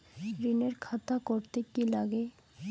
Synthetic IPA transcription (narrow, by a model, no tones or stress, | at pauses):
ɾineɾkʰat̪akoɾt̪ekilaɡe